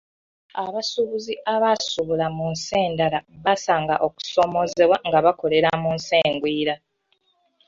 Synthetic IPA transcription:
aβasuβuziʔaβasuβulamunse̞ːndalaβasaːŋɡaʔo̞ku̥so̞mo̞ze̞βwaŋɡaβako̞le̞ɾamunseːŋɡwiːɾa

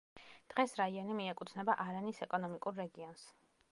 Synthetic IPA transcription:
d̪̥ʁɛsɾaiɔnimiɛkʼut̪ʰnɛbaʔaɾanisɛkʼɔnɔmikʼuɾːɛɡiɔns

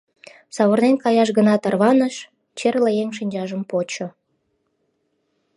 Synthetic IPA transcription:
sɑβornenkɑjɑʃ̬ɣənɑt̪ɑrβɑnəʃ | t͡ɕerlejeŋʃ̬inʲd͡ʑɑʒəmpot͡ɕo

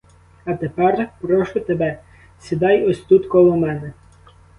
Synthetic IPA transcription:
ɐt̪epɛrpɾɔʃʊt̪ebɛ | sʲid̪ɑjɔsʲt̪ut̪kɔlˠɔmɛnɛ

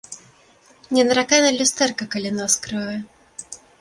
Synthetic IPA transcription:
nʲɛnɐɾakanɐlʲust̪ɛrkɐkɐlʲinɔskɾɨɛ

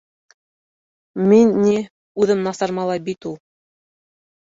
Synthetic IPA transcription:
minːi | ʉðɘmnɑsɑɾmɑlˠɑjbit̪ulˠ

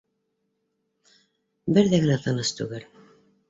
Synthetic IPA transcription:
bɘɾðæɡɘnæt̪ɤ̆nɤst̪ʉɡɘl

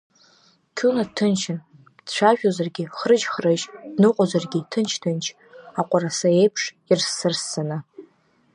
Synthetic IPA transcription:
kʲʰunadtʰɨnt͡ʃʰɪn | d̥t͡ɕʷaʒᶣozarɡʲiχrɨd͡ʒχrɨʒdnɨqʷʼozarɡʲitʰɨnt͡ʃʰtʰɨnt͡ʃʰ | aqʷʼarasae̞jpʰʂ | irsːɨrsːanɨ

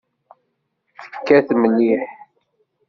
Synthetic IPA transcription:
θə̥fə̥kːæθmənːiħ

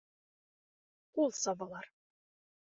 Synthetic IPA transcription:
ulˠsɑβɑlˠɑɾ

